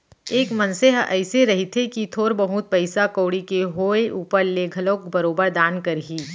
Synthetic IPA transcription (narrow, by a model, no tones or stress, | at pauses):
eːkmɐ̃nseɦɛ̰ːseɾɐɦit̪ʰekit̪ʰoːɾbɐɦʊt̪̚pɐɪsakoːɽikeɦoːeʔuːpəɾleɡʱɐloːkbɐɾoːbəɾd̪aːnkɐɾɦiː